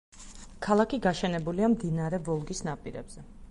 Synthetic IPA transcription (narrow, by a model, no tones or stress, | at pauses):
kʰalˠakʰiɡaʃɛnɛbuliamd̪inaɾɛvɔlˠɡisnapʼiɾɛ̰bz̥ɛ